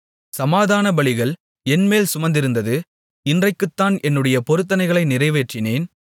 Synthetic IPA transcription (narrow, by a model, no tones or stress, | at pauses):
sɐmaːðaːnɐbɐɭɪɣɐɭ | ɛnmeːlsʊmɐnd̪ɪɾɯnd̪ɐðɯ | ɪndrɐɪkːɯt̪ːaːnʔɛnːɯɽɐjɐpɔɾɯt̪̬ːɐnɐɪɣɐɭɐɪnɪrɐɪʋeːʈrɪneːn